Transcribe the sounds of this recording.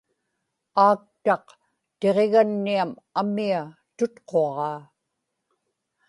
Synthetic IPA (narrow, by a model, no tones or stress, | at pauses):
aːk̚t̪ɑq | t̪e̞ʁe̞ɣanːiam | amia | t̪ʊt̪qʰoɑʁɑː